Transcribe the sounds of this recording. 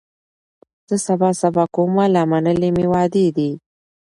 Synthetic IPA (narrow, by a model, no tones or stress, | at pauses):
z̥əsabɑsabɑkomalamanəlemewɑd̪ed̪i